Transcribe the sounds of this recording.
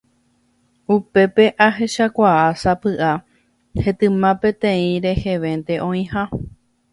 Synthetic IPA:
upe̞pe̞ʔaɦe̞ʃakʷaasapɨʔa | he̞t̪ɨ̃mãpẽ̞t̪ẽĩɾe̞he̞ʋẽ̞nt̪e̞ʔõ̞ĩha

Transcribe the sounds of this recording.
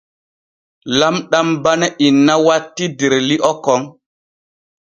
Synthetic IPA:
lamɗambanɛʔinːawatːideɾliʔɔkɔŋ

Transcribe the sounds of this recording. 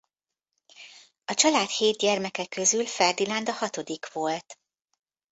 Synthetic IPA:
ɒt͡ʃɒlaːt̪heːd̪̚ɟɛrmɛkɛkːø̞zylfɛrd̪ilɒnd̪ɒhɒt̪o̞d̪ikʋo̞lt̪

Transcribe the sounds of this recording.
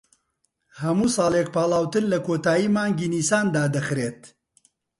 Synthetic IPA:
hɐmuːsɑːleːk̚paːlˠaːwt̪ɨnlɐkʰoːt̪aːjiːmaːŋɡiːniːsaːnd̪aːd̪ɐxɾeːt̪

